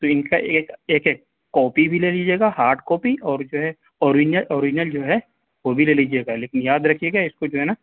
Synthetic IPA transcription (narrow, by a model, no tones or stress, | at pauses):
t̪oɪnkaʔeːkeːkɦɛkː | ɔːpibʱileːliːd͡ʒeːɡahaːɾʈkɔːpiʔɔːɾd͡ʒoːɦɛ | ɔːɾɪd͡ʒnəlʔoːɾɪd͡ʒɪnəld͡ʒoːɦɛ | ʋobʱileːliːd͡ʒieːɡaleːkɪnjaːd̪ɾɐkʰijeːɡaɪskod͡ʒoːɦɛnaː